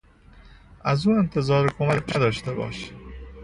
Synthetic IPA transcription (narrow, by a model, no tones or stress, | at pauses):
ʔæzuːe̞nt̪ʰe̞zɒːɾekʰo̞mæcʰnæd̪ɒːʃt̪e̞bɒ̰ːʃ